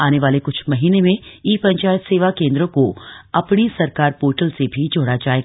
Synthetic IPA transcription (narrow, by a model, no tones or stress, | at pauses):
aːneʋaːlekʊt͡ʃʰmɐɦiːnemẽiːpɐ̃ɲt͡ʃaːjət̪seːʋakẽːnd̪ɾõkoɐpnisɐɾkaːɾpoːʈəlsebʱid͡ʒoːɽad͡ʒaːeːɡ